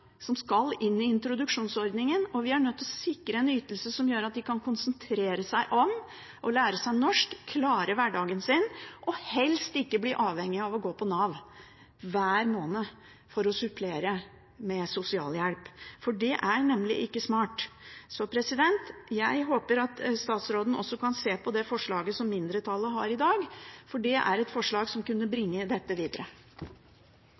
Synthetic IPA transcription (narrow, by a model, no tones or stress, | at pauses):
sɔmskɑlɪnːɪɪnt̪ɾʊd̪ʉkʂuːnsɔɾd̪nɪŋənɔʋɪæɳœt̪ːɔsɪkːɾəɛnyːt̪əlsəsɔmjøːɾɑt̪̚d̪ɪkʰɑnkʰʊnsənt̪ʰɾeːɾəsæɪʔɔm | ʔɔlæːɾəsæɪnɔʂkkʰlɑːɾəʋæɖɑːɡənsɪnʔɔhɛlst̪ɪkːəbliʔɑːʋhɛŋːɪɑʋɔɡoːpʰɔnɑʋ | ʋæːɾmoːnə | fɔɾɔsʉpʰleːɾə | mɛsʊsɪɑ̰ːljælpfɔɖɛʔæɾnɛmːlɪ̰ʔɪkːəsmɑːʈsɔpʰɾɛsɪd̪ɛnt̪jæɪɦoːpəɾɑt̪st̪ɑːt̪sɾoːd̪n̩ɔ̰sːɔkɑnseːpʰɔd̪ɛfɔʂɭɑːɡəsɔmːɪnd̪ɾət̪ʰɑlːəɦɑɾɪd̪ɑːɡfɔɖɛʔæ̰ɾɛt̪fɔʂɭɑːɡsɔmkʉnːəbɾɪŋːəd̪ɛt̪ːəʋiːd̪əɾə